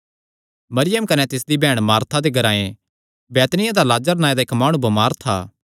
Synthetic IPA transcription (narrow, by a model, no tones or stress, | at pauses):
mɐɾɪjəmkɐnɛt̪ɪsd̪ibɛːɽ̃maːɾt̪ʰad̪eɡʱɐɾaːẽ | bɛːt̪nɪjãd̪alaːd͡ʒəɾnaːẽd̪aɪkmaːɽ̃ũbɐmaːɾt̪ʰa̰ː